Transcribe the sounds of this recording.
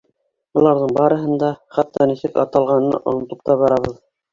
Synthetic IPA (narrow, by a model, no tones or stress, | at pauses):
ŏlˠɑɾðɤɴbɑɾɤ̆ɦɤnd̪ɑχæt̪ːɑnisɘkɑ̰t̪ɑlˠʁɑnɤ̰ʔŏ̰nŏt̪ɤp̚t̪ɑβɑɾɑβɤð